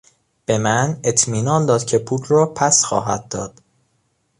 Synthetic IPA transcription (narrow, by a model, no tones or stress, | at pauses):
b̥e̞mæne̞t̪ʰmiːnɒːnd̪ɒːd̪̥cʰe̞pʰuːt̪ʰɾɒːpʰæsxɒ̰ːɦæ̰d̪̚ːɒːd̪̥